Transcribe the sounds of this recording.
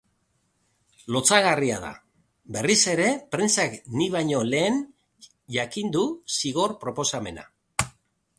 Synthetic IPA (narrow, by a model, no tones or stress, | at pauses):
lo̞t͡saɣariað̞a̰ | be̞rise̞ɾe̞pɾe̞nt͡sakniβ̞ajɲo̞le̞ːn | ʝakind̪usiɣo̞ɾpɾo̞po̞same̞na̰